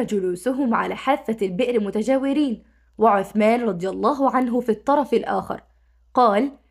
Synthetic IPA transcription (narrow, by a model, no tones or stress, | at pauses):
d͡ʒʊluːsʊɦʊmʕa̰laːħaːfːalbɪʔɾmʊt̪ad͡ʒaːwɪɾiːn | wɪʕʊθmaːnɾˤɑd̪ˤɨjɑlˤːɑːɦʊʕanɦʊfit̪ˤːɑɾˤɑfɪlʔa̰ːxɑ̰ɾˤ | qɑːl